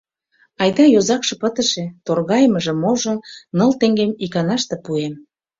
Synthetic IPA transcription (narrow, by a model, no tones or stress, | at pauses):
ɑjd̪ɑjozɑkʃɤ̆pət̪ə̆ʃĕt̪orɣɑjmə̆ʒĕmoʒŏnnɤ̆lt̪eŋɡemikɑnɑʃt̪ĕpuem